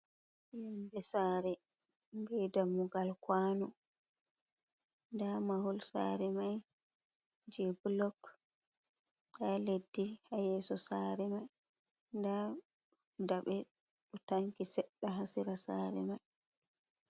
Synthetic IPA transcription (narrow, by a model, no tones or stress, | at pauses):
jɛmbɛsaːɾɛɡɛdamuɡalkwanɔ | ndamahulsa̰ːɾɛmaj | d͡ʒɛblɔk | ɗaledːihajɛːsɔsaːɾɛmaj | nda | daɓɛ | ɗɔtaŋkisɛɗːaɦasiɾasaːɾɛ̰maj